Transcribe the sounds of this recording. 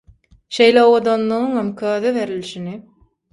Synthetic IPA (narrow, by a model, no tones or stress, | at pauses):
ʃe̞jleowod̪onlˠɯʁɯŋemkʰøːðeβeɾilʲiʃini